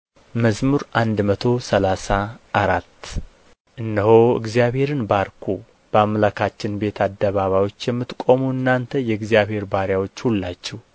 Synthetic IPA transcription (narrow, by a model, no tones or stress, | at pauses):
məzmuɾʔand̪mət̪ʰo̞səlasaʔːɾat̪ː | ʔɨnːəho̞ɨ̰ɡzjaβhe̞ɾɨnbaɾkʰu | b̥əamːlakʰat͡ʃːɪnbe̞t̪ʰad̪ːəβaβawo̞t͡ʃːjɛmːɨt̪kʼo̞muɨnːant̪ʰəjɛɨɡzijaβhe̞ɾbaɾjawo̞t͡ʃːhulːat͡ʃːɛh